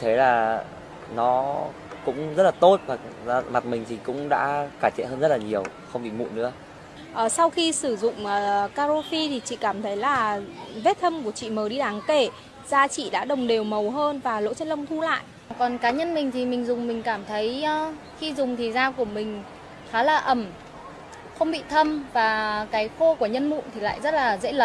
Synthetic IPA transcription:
t̪ʰe˨˦laː˨˩ | nɔ˨˦ | kʊ̰˧˥ŋ͡mzə˦˥t̚laː˨˩t̪o˦˥t̚vaː˨˩˧ma˨˩t̚mï˨˩ŋ̟t̪ʰi˨˩kʊ̰˧˥ŋ͡mɗa̰ː˧˥kaː˧˩t͡ɕɛ̰˧˨nhəː˧nzə˦˥t̚laː˨˩ɲi˨˩əw | xə˧wŋ͡mɓḭ˧˨mṵ˧˨nɨ̰˧˥ə | ʔəː˨˩sa˧wxi˧sɨ˧˩zʊ̰˧˨ŋ͡mʔəː˨˩kaː˧zo˧fi˧t̪ʰi˨˩t͡ɕḭ˧˨kaː˧˩mt̪ʰə˨˦jlaː˨˩ve˦˥t̚t̪ʰə˧mku˧˩ət͡ɕḭ˧˨məː˨˦ɗi˧ɗaː˨˦ŋke˧˩ | zaː˧t͡ɕḭ˧˨ɗa̰ː˧˥ɗə˨˩wŋ͡mɗe˨˩wmə˨˩wɦəː˧nvaː˨˩lo̰˧˥t͡ɕə˧nlə˧wŋ͡mt̪ʰu˧la̰ː˧˨jʔ | kɔ˨˩nkaː˨˦ɲə˧nmï˨˩ŋ̟t̪ʰi˨˩mï˨˩ŋ̟zʊ˨˩ŋ͡mmï˨˩ŋ̟kaː˧˩mt̪ʰə˨˦jː | xi˧zʊ˨˩ŋ͡mt̪ʰi˨˩zaː˧wku˧˩əmï˨˩ŋ̟ | xaː˨˦laː˨˩ʔə˧˩m | xə˧wŋ͡mɓḭ˧˨t̪ʰə˧mvaː˨˩kaː˨˦jxo˧ku˧˩əɲə˧nmṵ˧˨nt̪ʰi˨˩la̰ː˧˨jzə˦˥t̚laː˨˩zḛ˧˥lə˨˦

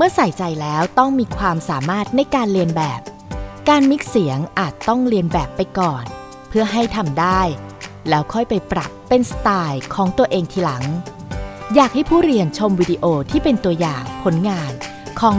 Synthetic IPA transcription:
mɯ˥˩ɐsa˨˩˦jt͡ɕa˧jlɛː˦˥wt̪ɔ˥˩ŋmiː˧kʰwaː˧msaː˩˦maː˥˩t̪̚na˧jkaː˧nɾi˧ənbɛː˨˩p̚ | kaː˧nmi˦˥k̚si˩˦əŋʔaː˨˩t̪ːɔ˥˩ŋɾi˧ənbɛː˨˩pːa˧jkɔː˨˩n | pʰɯ˥˩ɐɦa˥˩jt̪ʰa˧mdaː˥˩jlɛː˦˥wkʰɔ˥˩jpa˧jpɾa̰˨˩pːe˧nst̪aː˧jkʰɔː˩˦ŋt̪u˧ɐʔeː˧ŋt̪ʰiː˧la˩˦ŋ | jaː˨˩k̚ha˥˩jpʰuː˥˩ɾi˧ənt͡ɕʰo˧mwiː˧diː˧ʔoː˧t̪ʰiː˥˩pe˧nt̪u˧ɐjaː˨˩ŋpʰo˩˦nŋaː˧n | kʰɔː˩˦ŋ

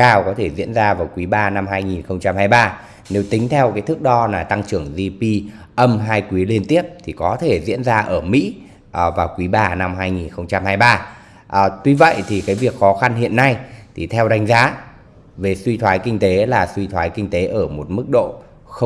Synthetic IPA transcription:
kaː˧˩wkɔ˨˦t̪ʰe˧˩zḭ˧˥ənzaː˧vaː˨˩wkwi˨˦ɓaː˧na˧mhaː˧jŋi˨˩nxə˧wŋ͡mt͡ɕa˧mhaː˧jɓaː˧ | ne˨˦wt̪ï˨˦ŋ̟t̪ʰɛ˧wkaː˨˦jt̪ʰɨ˦˥k̚ɗɔ˧naː˨˩t̪a˧ŋt͡ɕɨ˧˩əŋzi˧pi˧ | ʔə˧mɦaː˧jkwi˨˦li˧ənt̪i˦˥əp̚t̪ʰi˨˩kɔ˨˦t̪ʰe˧˩zḭ˧˥ənzaː˧ʔəː˧˩mḭ˧˥ | ʔə˨˩vaː˨˩wkwi˨˦ɓaː˧na˧mɦaː˧jŋi˨˩nxə˧wŋ͡mt͡ɕa˧mhaː˧jɓaː˧ | ʔt̪wi˧və̰˧˨jʔt̪ʰi˨˩kaː˨˦jvi˨˩ək̚xɔ˨˦xa˧nhḭ˧˨ənːa˧jt̪ʰi˨˩t̪ʰɛ˧wɗa˨˦jŋ̟zaː˨˦ | ve˨˩swi˧t̪ʰwaː˨˦jkï˧ŋ̟t̪e˨˦laː˨˩swi˧t̪ʰwaː˨˦jkï˧ŋ̟t̪e˨˦ʔəː˧˩mo˨˩t̚mɨ˦˥k̚ɗo̰˧˨ | xə˧

